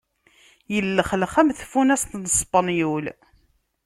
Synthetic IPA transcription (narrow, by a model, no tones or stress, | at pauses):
jəlːəχləχæmθfunæst̪nəspɑnjul